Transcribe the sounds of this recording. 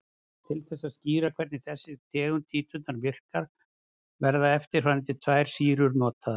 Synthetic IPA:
t̪ʰɪlθɛsːasciːɾakʰvɛɾt̪nɪθɛsːɪt̪ʰɛːɣʏnt̪ʰiːt̪ʰʏt̪naɾvɪr̥kaɾ̥ | vɛɾðaɛft̪ɪɾ̥fanɛt̪ɪt̪ʰvajɾ̥siːɾʏɾnɔːt̪ʰað

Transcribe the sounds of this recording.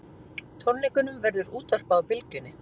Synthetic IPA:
t̪ʰɔnlɛkʏnʏmvɛɾðʏɾuːt̪ar̥pawpɪlcʏnɪ

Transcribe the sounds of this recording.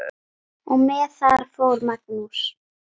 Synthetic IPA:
umɛːθaɾfowɾmaknus

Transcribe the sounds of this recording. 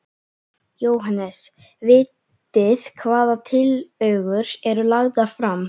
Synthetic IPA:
joːwɦanːɛs | vɪːt̪ | ɪðkʰvaːðat̪ʰɪlœɥɣʏɾsɛɾʏlaɣðafɾam

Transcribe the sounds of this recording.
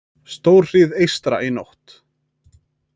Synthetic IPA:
st̪owr̥r̥iðejst̪ɾa̰ʔino̰wht̪

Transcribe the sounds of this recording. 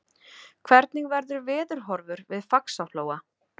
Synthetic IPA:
kʰv̥ɛɾt̪niŋvɛɾðʏɾvɪːðʏɾ̥ɦɔɾvʏɾvɪðfaksaloːwa

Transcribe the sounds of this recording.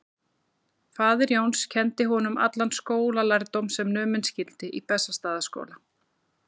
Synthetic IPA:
faːðɪɾjoːwnscʰɛnt̪ɪɦɔnʏma̰t̪lanskoːwlalajɾt̪owmsɛmnʏːmʏnscɪlt̪ɪʔipɛsːast̪aːðasko̰ːwla

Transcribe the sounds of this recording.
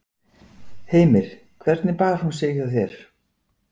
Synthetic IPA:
heːjmɪɾ̥ | kʰvɛɾt̪nɪpaːðaɾ̥hunseːɣðaθjɛɾ̥

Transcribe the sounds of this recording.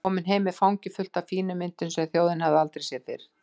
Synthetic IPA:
ɔːmɪnɦeːjmɪfawŋcɪfʏl̥t̪afiːnʏmɪnt̪ʏnsɛɣθjowðɪnhavðɪalt̪ɾejsjɛθɪ̰ɾ̥

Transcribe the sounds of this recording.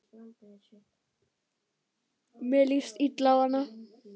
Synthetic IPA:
melist̪iʈ̪lawana

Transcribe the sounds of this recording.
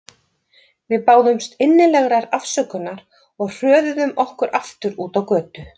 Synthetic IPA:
vɪðpaːwðʏmst̪ɪnːɪlɛɣɾaɾafsœkʏnːaɾ | ɔɣr̥œːðʏðʏmɔhkʏɾʔaft̪ʏɾuːt̪awkœːt̪ʏ

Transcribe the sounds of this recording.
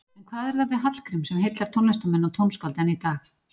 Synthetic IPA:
ɛnkʰvaːðɛɾθavɪðɦat̪l̥kɾɪmsɛmɦejt̪laɾ̥t̪ʰownɛst̪amɛnːɔt̪ʰownskawlt̪ɛnːit̪aːx

